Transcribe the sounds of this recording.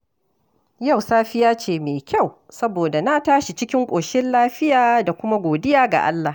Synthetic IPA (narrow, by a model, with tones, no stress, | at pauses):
ja˦˨wsaː˦ɸɪ˦jaː˦t͡ʃeː˨meː˨kʲa˦˨w | sɐ˦boː˨da˨na˦taː˦ʃi˨t͡ʃɪ˦kʲɪ˦ŋkʷʼoː˨ʃɪ˦nlaː˦ɸɪ˦jaː˨da˨kʷʊ˦ma˦ɡʷoː˨dɪ˦jaː˨ɡa̰˨ʔa̰˦lːa˨